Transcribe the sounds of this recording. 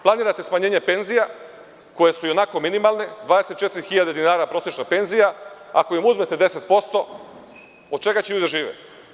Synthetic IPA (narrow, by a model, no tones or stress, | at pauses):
plˠaniːɾat̪e̞smaɲe̞ːɲe̞pe̞nzija | ko̞je̞sujo̞nako̞minimalned̪ʋad̪eset̪t͡ʃe̞t̪iɾixiʎad̪ed̪inaːɾapɾo̞sjet͡ʃnape̞nzijaa̰ko̞jimuzmet̪e̞d̪e̞set̪̚po̞st̪o̞ | od̪̚t͡ʃe̞ɡat͡ɕejuːd̪eʒiːʋḛ